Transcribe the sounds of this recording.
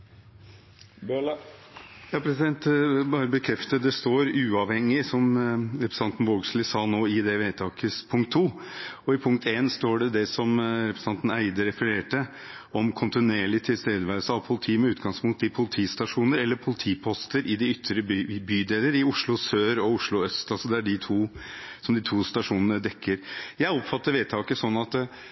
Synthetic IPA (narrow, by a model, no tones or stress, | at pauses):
jɑːpʰɾɛsɪd̪ɛnt̪bɑːɾəbəkʰɾɛft̪əd̪ɛst̪oːɾʉːɑʋhɛŋːɪsɔmɾɛpɾsɑnt̪n̩ʋoːɡslɪsɑːnoːɪd̪ɛʋeːt̪ʰɑːkəspʰʊŋkt̪ʰːuː | ɔɪpʰʊŋkt̪eːnst̪oːɖɛd̪ɛsɔmɾɛpɾəsɑnt̪n̩æɪd̪əɾɛfəɾeːʈə | ɔmkʰʊnt̪ɪneːɭɪt̪ʰɪlst̪eːd̪əʋæɾsəɑʋpʰʊlt̪ʰiːmɛʉːt̪ɡɑŋspʰʊŋt̪ɪpʰʊlɪt̪ʰiːst̪ɑʂuːnəɾɛlːəɾpʰʊlɪt̪ʰiːpʰɔst̪əɾʔɪd̪ɪʏt̪ʰːɾəbbyːd̪eːləɾɪʊʂɭʊsøːɾɔʊʂɭʊœst̪ɑlsɔd̪ææɖɪt̪ʰuː | sɔmd̪ɪt̪ʰuːst̪ɑʂuːnənəd̪ɛkʰːəɾjæɪɔpfɑt̪ːəɾʋeːt̪ʰɑːkəsɔnːɑt̪